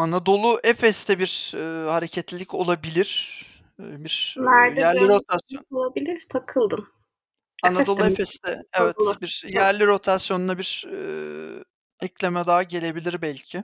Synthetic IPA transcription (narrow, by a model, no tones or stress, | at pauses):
anad̪o̞lˠuʔɛfɛst̪ʰɛbiɾ̥ːhaɾecʰɛt̪lʲilʲico̞lˠabilʲiɾ̥ | biɾ̥næɾd̪jæɾlʲiɾot̪ʰasjoolˠabilʲiɾ̥t̪ʰakʰɯlˠd̪ɯm | anao̞lˠuefɛst̪ɛɛvɛt̪biɾjæɾlʲiɾo̞t̪ʰasjo̞nunabiɾ̥ɛ̰ | ɛclʲe̞mɛd̪aːɟe̞lʲe̞bilʲiɾbælʲcʰɪ